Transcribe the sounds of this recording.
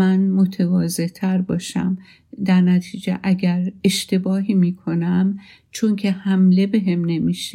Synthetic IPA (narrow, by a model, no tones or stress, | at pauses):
ænmo̞t̪ʰevɒːze̞ʔt̪ʰæɾbɒːʃæ̰m | d̪æɾnæt̪ʰiːd͡ʒḛʔæɟæɾe̞ʃt̪e̞bɒːɦiːmiːkʰo̞næm | t͡ʃʰo̞ŋcʰe̞hæmle̞be̞ɦemne̞miːʃe